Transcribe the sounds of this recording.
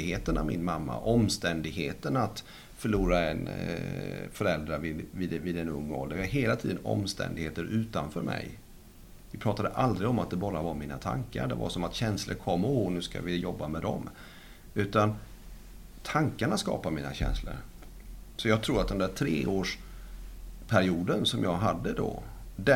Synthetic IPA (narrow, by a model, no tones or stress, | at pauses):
ɪɡheːt̪ənavmɪnmamːa̰ʔɔmst̪ɛnd̪ɪɡɦeːt̪ənat̪ | fœɭuːɾaɛ̰n | fœɾɛld̪ɾavɪvɪːd̪vɪːd̪ɛnɵ̰ŋːɔ̰ld̪əɾaɦeːlat̪ʰḭːd̪ənɔ̰mst̪ɛ̰nd̪ɪɡheːt̪əɾʔʉ̟ːt̪anfœːɾmʔɛ̰j | vɪpʰɾɑːt̪ad̪əʔald̪ɾɪɡɔmat̪̚d̪ɛbɑːɾavaɾmiːna̰t̪ʰa̰ŋka̰ɾɖɛva̰sɔmat̪ɕɛnslʔəɾkʰɔmːɔnʉ̟ːska̰vɪjɔbːamɛd̪ɔ̰m | ʉ̟ːt̪an | t̪ʰaŋkaɳaskɑ̰ːpamiːna̰ɕɛ̰nslə̰ɾ | sɔjɑːɡ̚t̪ʰɾuːɾat̪̚d̪ɛnd̪æːʈʰɾeːʔoːʂ | pʰæɾɪuːd̪ənsɔmjɑːɡɦad̪ːəd̪ɔ | d̪æ